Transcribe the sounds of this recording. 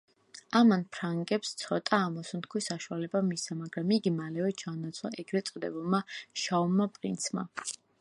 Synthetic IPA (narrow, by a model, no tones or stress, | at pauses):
amanpʰɾaŋɡɛpst̪sʰɔt̪ʼaːmɔsunt̪̚kʰwisaʃualɛbamisamaɡɾamiɡimalɛvɛt͡ʃʰanat̪sʰɔɛɡɾɛt̪sʼɔd̪ɛ̰bulˠmaʃaumːapʼɾḭnt̪sʰma̰